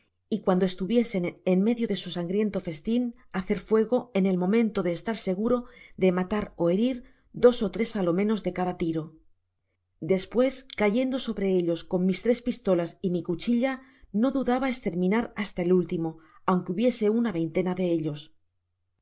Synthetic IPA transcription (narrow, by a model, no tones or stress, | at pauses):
ikwand̪oe̞st̪uβje̞se̞nenme̞ðjo̞ðe̞susaŋɡɾje̞nt̪o̞fe̞st̪in | aθe̞ɾfwe̞ɣ̞o̞e̞ne̞lmõ̞mẽ̞nt̪o̞ðe̞ːst̪aɾse̞ɣ̞uɾo̞ðe̞mat̪aɾo̞e̞ɾiɾ | d̪o̞so̞t̪ɾe̞salo̞mẽ̞no̞zðe̞kaðat̪iɾo̞ | d̪e̞spwe̞skaʝe̞nd̪o̞so̞βɾe̞e̞ʎo̞sko̞ŋmist̪ɾe̞spist̪o̞lasimikut͡ʃiʎano̞ðuðaβae̞st̪e̞ɾmĩnaɾast̪aelult̪imo̞awŋkeuβje̞se̞unaβe̞jnt̪e̞naðe̞eʎo̞s